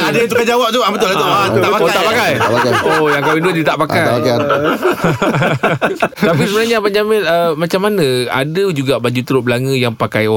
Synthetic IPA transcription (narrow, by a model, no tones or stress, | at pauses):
adəit̪ukad͡ʒawap̚d͡ʒ̪awʔbət̪̬ʊlaut̪aʔpakt̪aʔpakajapakaojaŋkawinduədit̪aʔpakak | t̪apisəbənaɲapaɲd͡ʒamɪnəmat͡ʃamːanə̃a̰dəd͡ʒuɡaʔbad͡ʒut̪əɾʊblaŋə̃jaŋpakajo